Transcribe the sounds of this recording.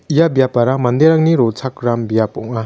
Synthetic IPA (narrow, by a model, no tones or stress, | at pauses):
ijabijapaɾamand̪eɾaŋniɾɔsʰakɾambijapɔŋa